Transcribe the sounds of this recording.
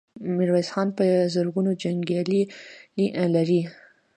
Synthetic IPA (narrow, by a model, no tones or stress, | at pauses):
mɪɾwajsxɑnpəzəɾɡunod͡ʒaŋɡjɑliliʔlaɾi